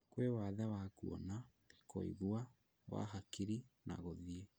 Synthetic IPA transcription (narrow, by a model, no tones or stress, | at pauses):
kwewaðawakuɔ̰na | ko̰ḭɣwa | wa̰ɦakiɾina̰ɣoðie